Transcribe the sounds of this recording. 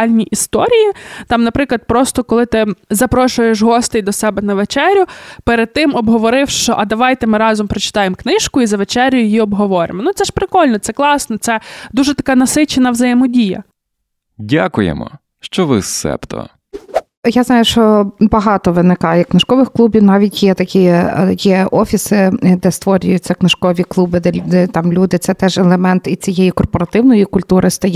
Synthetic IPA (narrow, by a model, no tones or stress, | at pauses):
ɑlʲnʲiʔist̪ɔɾʲijit̪ɑmnɐpɾɪklˠɐd̪̚pɾɔst̪ɔkɔlˠɪt̪ɪzɐpɾɔʃʊjeʃɦɔst̪ɪjd̪ɔsɛbɛnɐʋet͡ʃɛɾʲʊpeɾed̪̚t̪ɪmɔbɦɔʋɔɾɪwʃt͡ʃɔʔɐd̪ɐʋɑjt̪ɛmɪɾɑzɔmpɾɔt͡ʃɪ̥t̪ɑjemknɪʃkʊizɐʋet͡ʃɛɾʲjʊjjiɔbɦɔʋɔɾʲɪ̰mɔnut̪sɛʃpɾɪkɔlʲnɔt̪sɛklˠɑsnɔt̪sɛd̪uʒɛt̪ɐkɑnɐsɪt͡ʃenɐwzɐjɪmɔdʲijɐ̰ | dʲa̰kʊjḛmɔ̰ | ʃt͡ʃɔʋɪ̰sːɛ̰pt̪ɔ̰ | jaznɑjʊʃt͡ʃɔbɐɦɑt̪ɔʋɪnɪkɑjjknɪʃkɔʋɪxklˠubʲiwnɑʋʲitʲjɛt̪ɐkʲijɛɔfʲisɪd̪ɛst̪ʋɔɾʲʊjʊt̚ʲt͡sʲːɐknɪʃkɔʋʲiklˠubɪd̪ɛd̪ɛt̪ɑmlʲud̪ɪt̪sɛt̪ɛʒɛlˠemɛnt̪it͡sʲijejikɔrpɔɾɐt̪ɪwnɔjikʊlʲt̪uɾʔɪst̪ɐj